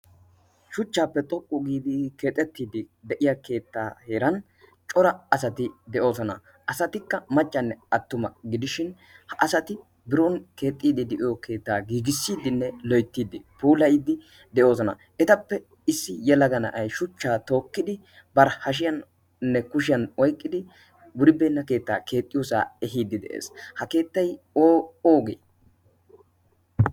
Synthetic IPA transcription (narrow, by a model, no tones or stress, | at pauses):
ʃʊt͡ʃːaːpːɛt̪ʼɔkʼːʊɡiːd̪ɪke̞ːt̪ʼːɛt̪ːiːd̪ɪ | d̪ɛʔɪjake̞ːt̪ːaːhe̞ːɾɐn | t͡ʃʼɔɾɐɐsɐt̪ɪd̪ɛʔo̞ːsɔnɐ̰ | ʔɐsɐt̪ɪkːɐmɐt͡ʃʼːɐnːɛɐt̪ːʊmɐ̰ɡɪd̪ɪʃɪn | hɐʔɐsɐt̪ɪ | bɪɾɔnke̞ːt̪ʼːiːd̪ɪd̪ɛʔɪjɔke̞ːt̪ːaːɡiːɡɪsːiːd̪ɪnːɛlɔjt̪ːiːd̪ɪpuːlɐjid̪ɪ | d̪ɛʔo̞ːzɔnɐ̰ | ʔɛt̪ɐpːɛ | ɪsːɪjɛlɐɡɐnɐ̰ʔɐjʃʊt͡ʃːaːt̪o̞ːkːɪd̪ɪ | bɐɾhɐʃ̬ɪjɐn | nːɛkʊʃ̬ɪjɐnɔjkʼːɪd̪ɪ | wʊɾɪbɛnːɐke̞ːt̪ːa̰ːke̞ːt̪ʼːɪjosa̰ːɛɦiːd̪ɪd̪ɛ̰ʔḛːshɐke̞ːt̪ːɐj | oːoːɡḛj